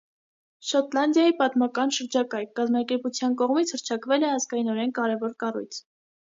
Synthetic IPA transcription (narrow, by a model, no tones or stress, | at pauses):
ʃɔt̪lɑnd̪jɑjipɑt̪mɑkɑnʃəɾd͡ʒɑkɑjkɑzmɑkɛɾput͡sʰjɑnkɔʁmit͡sʰhəɾt͡ʃʰɑkvɛlɛɑzɡɑjinɔɾɛnkɑɾɛvɔɾkɑrṵjt͡sʰ